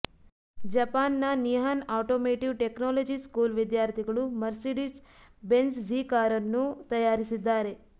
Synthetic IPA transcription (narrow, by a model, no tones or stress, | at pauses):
d͡ʒɐpaːnːɐniɦanaːʈoːmeːʈiʋʈeknoːlod͡ʒiskuːlʋid̪jaːɾt̪ʰiɡɐɭumɐɾsiɖis | bensd͡ʒiːkaːɾɐnːut̪ɐjaːɾisid̪ːaːɾe